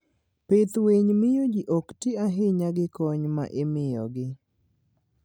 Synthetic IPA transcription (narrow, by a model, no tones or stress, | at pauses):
pet̪weɲmɪjod͡ʒiʔɔktiaɦɪɲaɡɪkɔɲma̰ʔemɪjɔ̰ɡɪ